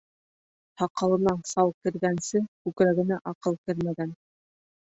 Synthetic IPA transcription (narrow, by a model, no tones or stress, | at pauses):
hɑqɑ̆lˠɤ̆nɑnsɑwˠkɘ̆ɾɡænsɘkʉkɾæɣɘ̆næʔɑqɤlˠkɘɾmæɡæn